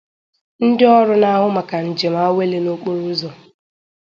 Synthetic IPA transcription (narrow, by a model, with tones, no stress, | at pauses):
n̩˦dɪ˦ɔ˦ɾʊ˦na˦ɦʊ˦ma˨ka˨n̩˨d͡ʒe˨ma˦we˦le˦no˦k͡po˦ɾu˦zo˨